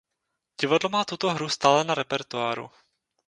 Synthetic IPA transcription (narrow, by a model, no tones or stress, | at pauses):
ɟ̥ɪvadlomaːt̪ut̪o̞ɦɾust̪aːlɛnaɾɛpɛɾt̪uaːɾṵ